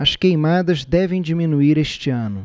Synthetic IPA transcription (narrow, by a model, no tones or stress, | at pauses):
ɐskejmad̪ɐzd̪ɛvẽj̃d͡ʒimĩnuiɾeʃt͡ʃɪɐ̃nʊ